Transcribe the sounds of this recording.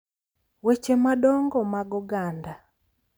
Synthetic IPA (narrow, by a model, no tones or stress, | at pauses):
wet͡ʃemaɗɔŋɡɔmaɡɔɡanda